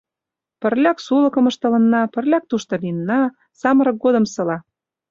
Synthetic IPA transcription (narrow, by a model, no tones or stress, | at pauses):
pə̆rlʲɑksulɤ̆kɤ̆mə̆ʃt̪ɤ̆lɤ̆nːɑpə̆rlʲɑk̚t̪uʃt̪ŏlinːɑ | sɑmɤ̆ɾɤ̆k̚ɡod̪ə̆msɤ̆lɑ